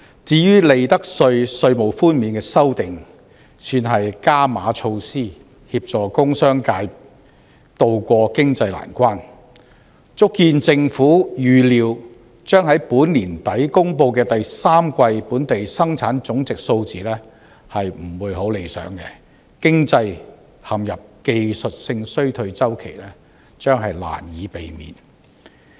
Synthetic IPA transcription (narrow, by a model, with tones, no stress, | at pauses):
t͡siː˨˧jyː˥le˨jt̪ɐ˥k̚sɵ˧ɥsɵ˧ɥmo˨˩wfuː˥nmiː˨˥nkɛː˧sɐ˥wt̪ɪ˨ŋ | syː˧nɦɐ˨jkaː˥ma̰ː˨˥t͡ʃʰo˧wsiː˥ | hiː˧p̚t͡ʃɔː˨˩kʊ˥ŋsœː˥ŋkaː˧j | t̪o˧wkʷɔː˧kɪ˥ŋt͡sɐ˧jla̰ː˨˩nkʷaː˥n | t͡sʊ˥kːiː˧nt͡sɪ˧ŋfuː˨˥jyː˨˩liː˨˧w | t͡ʃœː˥ŋhɐ˨˥jpuː˨˥nliː˨˩nt̪ɐ˨˥jkʊ˥ŋpo˧wkɛː˧t̪ɐ˨jsaː˥mkʷɐ˧jpuː˨˥nt̪e˨jsɐ˥ŋt͡sʰaː˨˥nt͡sʊ˨˥ŋt͡sɪ˨k̚so˧wt͡siː˨lɛː˥ | hɐ˨jm̩˨˩wuː˨˧jho˨˥wle˨˧jsœ̰ː˨˥ŋkɛ˧ | kɪ˥ŋt͡sɐ˧j | hɐ˨mjɐ˨p̚ke˧jsɵ˨t̚sɪ˧ŋsɵ˥ɥt̪ʰɵ˧ɥt͡sɐ˥wkʰe˨˩jlɛː˥ | t͡ʃœː˥ŋɦɐ˨jla̰ː˨˩njiː˨˧pe˨jmḭː˨n